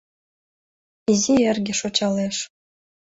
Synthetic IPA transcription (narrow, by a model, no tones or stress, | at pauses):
izʲiĕrɡʲĕʃot͡ɕɑleʃ